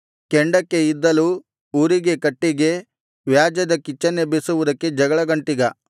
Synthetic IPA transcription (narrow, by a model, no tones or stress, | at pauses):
keɳɖɐkːe̞id̪ːɐlu | uːɾiɡe̞kɐʈːiɡe̞ | ʋjaːd͡ʒɐd̪ɐkit͡ʃːɐnːebisuʋud̪ɐkːe̞d͡ʒɐɡɐɭɐɡɐɳʈiɡɐ